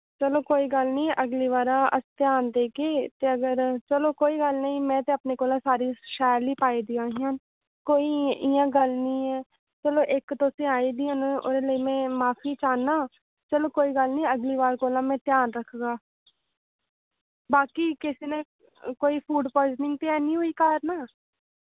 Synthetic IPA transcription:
t͡ʃəloːkoːiːɡəlnĩːʔəɡliːʋaːɾãːə̰st̪jaːnd̪eːkeːt̪eːəɡəɾt͡ʃəloːkoːiːɡəlnəĩːmɛ̃ːt̪eːəpneːkoːlãːsaːɾiːʃɛːɾliːpaːiːd̪iːãːɦijãːn | koːiːjãːɡəlnĩːɛː | t͡ʃəloːʔɪkt̪oːsẽːaːiːd̪iːãːno̰ːɾeləiːmɛ̃ːmaːfʰiːt͡ʃaːnːaː | t͡ʃəloːkoːiːɡəlnĩːəɡliːʋaːɾkoːlãːmɛ̃ːt̪jaːnɾəkʰɡaː | baːkiːkɪsiːne | koːiːpʰuːɖpɔːd͡ʒnɪ̃ŋɡ̚t̪eɛːnĩːɦʊiːkaːɾnaː

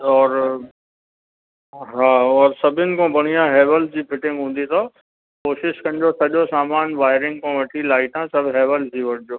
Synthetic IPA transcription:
ɔːɾ | ɦaːɔːɾsɐbʱɪnɪ̆kõːbʱɐɽ̃ijãɦeːʋəld͡ʑiːfɪʈɪ̃ŋɡɦũːn̆d̪it̪ʰo | koːʃɪʃkɐ̃nɪ̆d͡ʑosɐʄosaːmaːnʋaːɪɾɪ̃ŋɡkõʋɐʈʰilaːit̪ʰãsɐbʱɦɛːʋəld͡ʑiʋɐɽɪd͡ʑoː

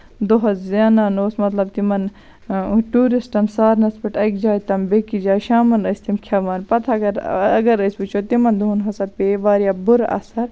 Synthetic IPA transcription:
d̪oɦɐszaːnaːnoːsmɐt̪lɐb̚t̪imɐn | ʈuːɾisʈɐnsaːɾnɐspiʈɐkd͡ʒaːjt̪ɐmbekid͡ʒaːjʃaːmɐnɐsʲt̪imkʲʰɐʋaːnpɐt̪ʰɐɡɐɾɐɡɐɾɐsbut͡ʃʰot̪imɐnd̪uɦunɦɐsɐpeːʋaːɾjabuɾɐ̰sɐɾ

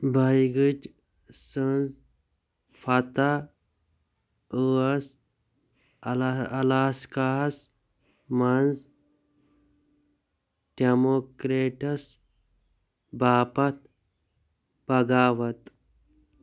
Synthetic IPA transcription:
bajɡid͡ʒ | sənz | fɐt̪a | əɐs | ɐlaːskas | mɐnz | ɖ̥emokɾeʈɐs | baːpɐt̪̚ | b̥ɐɡaːwɐt̪

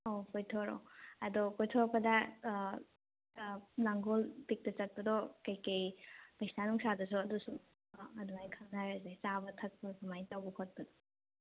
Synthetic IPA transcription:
okojtʰɔɾo̰ɐdɔkɔjtʰɔɾpɐda | naŋɡolpik̚tɐt͡ʃɐt̚pɐdɔkɐjkɐjmɐjsnanuŋsadɐs̬uɐdusu | ɐduŋajkʰɐŋdaɾazet͡ʃabɐtʰɐt̚pɐsɐmajtawbɐkʰot̚pɐdɔ

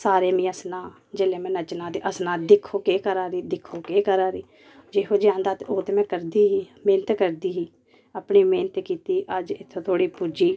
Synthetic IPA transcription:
saːɾeːmĩːəsnaː | d͡ʒeːlẽːmɛ̃ːnət͡ʃnãːd̪eːʔəsnaːd̪ɪkʰːoːkeːkəɾaːɾiːd̪ɪkʰːoːkeːkəɾaːɾiː | d͡ʒeːɦoːd͡ʒɪjãːnd̪aːt̪eoːt̪eːmɛ̃ːkəɾd̪iːɦiːmeːnət̪kəɾd̪iːɦiː | əpniːmeːnət̪kiːt̪iːʔəd͡ʒɪt̪ʰːõːt̪ʰoːɽiːpuːd͡ʒiː

